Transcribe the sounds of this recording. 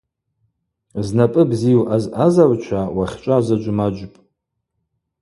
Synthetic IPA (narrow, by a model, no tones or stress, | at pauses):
znapʼɨbzijuʔazazart͡ʃʷʰawaχʲt͡ʃʷʼazad͡ʒʷʊmad͡ʒʷpʼ